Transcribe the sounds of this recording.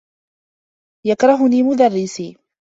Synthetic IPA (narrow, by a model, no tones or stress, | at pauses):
jakɾˤɑɦʊniːmʊd̪ɑrˤːɪsiː